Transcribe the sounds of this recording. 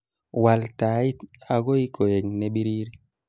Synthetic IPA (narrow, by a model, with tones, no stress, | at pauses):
wa˨lta˨i˦t̪a˨ɡo˦jkʰo˨je˨ŋne˦bi˦ɾiː˦ɾi˦